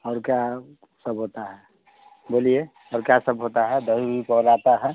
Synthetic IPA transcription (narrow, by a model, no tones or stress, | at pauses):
əɾka | səbɦot̪aɦɛ | bolie | ɔɾkasəbɦot̪aɦɛd̪əɦibipɔlat̪aɦɛ